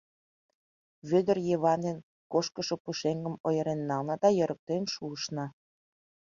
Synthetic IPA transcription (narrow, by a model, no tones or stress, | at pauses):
βød̪ərjeβɑnen | koʃkəʃŏpuʃeŋɡə̆mojə̆ɾenːɑlnɑd̪ɑjøɾʔək̚t̪enʃuːʃnɑ